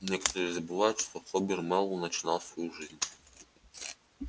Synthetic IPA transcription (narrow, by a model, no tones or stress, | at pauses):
nʲɛkɐ̥t̪ɔɾiːzɐbɨvajʊt̪ʃt̪ɔxɔbʲirmɛlˠːunɐt͡ʃɪnɑlˠsʋɔjuʐɪzʲnʲ